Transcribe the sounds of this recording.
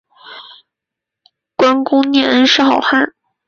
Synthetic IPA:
kwa˥nkʊ˥ŋnjɛ˥˩ə˥nʂɻ̩˥˩xɑ˨˩ʊxa˥˩

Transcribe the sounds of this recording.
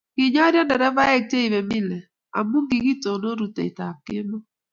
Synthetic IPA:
ɣi˨ɲa˦ɾja˦nɛ˨ɾɛ˦va˦ɛ˦k̚te˦i˨βɛ˨mi˦lɛ˨ | a̰˨mu˦ŋɡi˨ɣi˦to˨no˦ɾu˨tɛ̰˨i˨ta˨ke˦mɔ˦

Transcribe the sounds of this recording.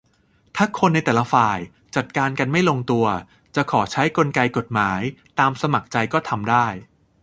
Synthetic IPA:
t̪ʰaː˥˩kʰo˧nːa˧jt̪ɛː˨˩la˦faː˨˩j | t͡ɕa˨˩t̪̚kaː˧nka˧nma˥˩jlo˧ŋt̪u˧ɐ | t͡ɕa˨˩kʰɔː˩˦t͡ɕʰa˦˥jko˧nka˧jko˨˩t̪̚maː˩˦jt̪aː˧msa˧ma˨˩k̚t͡ɕa˧jkɔː˥˩t̪ʰa˧mdaː˥˩j

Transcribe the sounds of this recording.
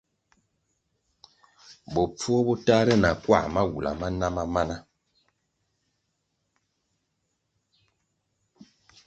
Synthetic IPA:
bɔ˨p͡fu˦ɔ˦bɔ˦ta˦ɾɛ˦na˨kwa̰˦˨ma˦wṵ˨la̰˨ma˦na˦ma˦ma˦na˦

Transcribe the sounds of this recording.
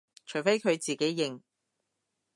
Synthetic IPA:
t͡ʃʰɵ˨˩ɥfe˥jkʰɵ˨˧ɥt͡siː˨ke˨˥jːɪ˨˧ŋ

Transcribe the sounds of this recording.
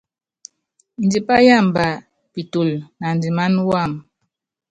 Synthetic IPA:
n̩˨di˨pa˦ja˦˨mba˨ | pi˨tu˨lna˨n˨di˨ma˦nwa˦˨m

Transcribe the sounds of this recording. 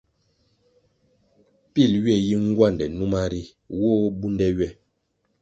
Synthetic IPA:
pi˦˨lɥɛ˦˨ji˦ŋ˦ɡwa˦˨ndɛ˨nu˦ma˦ɾi˦ | wo˦bu˦ndɛ˦ɥɛ˦˨

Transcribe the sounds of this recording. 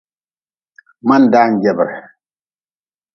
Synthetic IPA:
ma˦n̩˨da˦n̩˨ɟɛ˨bɛ˨ɾ

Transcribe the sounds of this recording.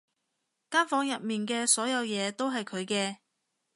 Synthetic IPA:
kaː˥nfɔː˨˧˥ŋjɐ˨t̚miː˨nkɛː˧sɔː˨˥jɐ˨˧wjɛː˨˧t̪o˥wɦɐ˨jkʰɵ˨˧ɥkɛː˧

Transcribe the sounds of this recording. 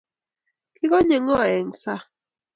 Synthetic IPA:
kɪ˦ɣɔ˦ɲe˨ŋɔ˦˨ɛ˨ŋsa˦

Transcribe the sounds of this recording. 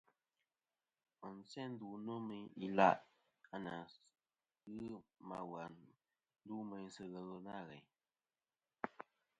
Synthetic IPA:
ə˨n̩˨t͡sɛ˦n̩˦du˨no˦mi˨i˨la̰˦˨ʔ | a˦na˨ | ɣɨ˦ma˨wa˨n | n̩˦du˦mə˨ɲ˦sə˨ɣə˨ɣə˦na˦˨ɣɛ̰˨ɲ

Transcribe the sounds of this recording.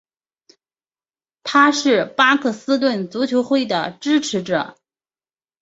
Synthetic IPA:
t̪ʰa˥ʂɻ̩˥˩pa˥kʰɤ˥˩sɹ̩˥t̪̬wə˥˩nt͡su˧˥t͡ɕʰjo˧˥ʊxwe˥˩ɪd̪ə˩ʈ͡ʂɻ̩˥ʈ͡ʂʰɻ̩˧˥ʈ͡ʂɤ̰˨˩˦

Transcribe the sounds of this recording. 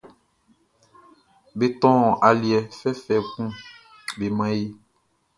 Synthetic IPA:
be˨t̪ɔ̃˦ɔ̃˨ʔa˨li˨ɛ˨fɛ˦fɛ˨ɡũ˦ | be˨mã˦je˦

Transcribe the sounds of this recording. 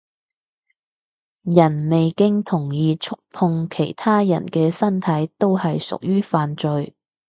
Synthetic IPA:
jɐ˨˩nme˨jkɪ˥ŋt̪ʰʊ˨˩ŋjiː˨˧t͡ʃʰʊ˥k̚pʰʊ˧ŋkʰe˨˩jt̪ʰaː˥jɐ̰˨˩nkɛː˧sɐ˥nt̪ʰɐ˨˥jt̪o˥whɐ˨jsʊ̰˨k̚jyː˥faː˨nt͡ʃɵ˨ɥ

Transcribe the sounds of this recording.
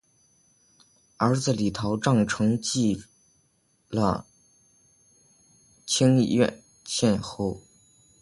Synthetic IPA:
ə˞˧˥d͡zɹ̩˥˧li˨˩t̪ʰɑ˧˥ʊʈ͡ʂɑ˥˩ŋʈ͡ʂʰɤ˧˥ŋt͡ɕi˥˩ | lə̰˧ | t͡ɕʰi˥ŋḭ˥˧ɥɛ̰˥˧n | ɕʰjɛ˥˧nxo˥˩ʊ

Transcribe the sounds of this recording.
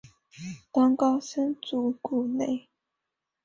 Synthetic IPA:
t̪ɑ˥ŋkɑ˥sə˥nt͡su˨˩ku˨˩ne˥˩˨ɪ

